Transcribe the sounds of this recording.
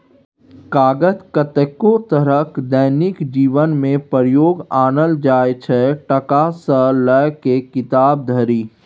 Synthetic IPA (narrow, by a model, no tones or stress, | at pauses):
kaːɡət̪kət̪əkot̪əɾəkd̪əːnɪkd͡ʒiːʋənmẽpəɾjoːɡaːnəld͡ʒaːet͡ʃʰɛʈəkasələjkekɪt̪aːb̚d̪ʱəɾiː